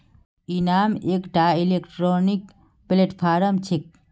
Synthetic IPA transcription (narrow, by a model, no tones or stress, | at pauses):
inaːmeːkʈaːilekʈɾoːnik | pileʈpʰaːɾɐmt͡ʃʰik̚